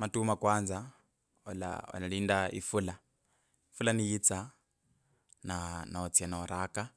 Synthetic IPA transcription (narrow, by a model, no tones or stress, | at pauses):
matumakwand͡za | ɔla̰ɔ̰laɺindaḭfula | ifulanijit͡sa | nanaɔt͡sʰianaɔɾaka